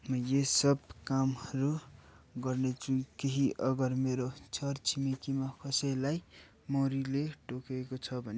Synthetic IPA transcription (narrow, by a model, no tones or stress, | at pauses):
mʌjesʌbkamhʌɾu | ɡʌrnet͡sʰũkeɦiʔʌɡʌrmeɾot͡sʰʌrt͡sʰimikimakʌsʌjlaj | moɾileʈokekot͡sʰʌbʱʌne